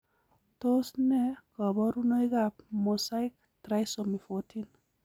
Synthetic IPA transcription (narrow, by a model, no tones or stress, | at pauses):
t̪osnekɔbɔɾunojɡap̚mɔsajk̚ | t̪ɾajsomifotʰin